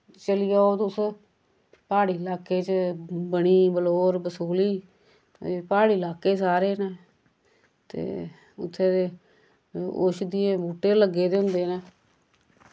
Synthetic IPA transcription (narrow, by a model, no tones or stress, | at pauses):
t͡ʃəlɪjaːoːt̪ʊs | paːɽiːlaːkeːt͡ʃbəɽiːbəloːɾbəsuːliː | paːɽiːlaːkeːsaːɾeːneː | t̪ḛː | ʊ̰t̪ʰːeːe | o̰ːʃd̪iːẽːbuːʈːeːləɡeːd̪eːɦʊ̃nd̪eːneː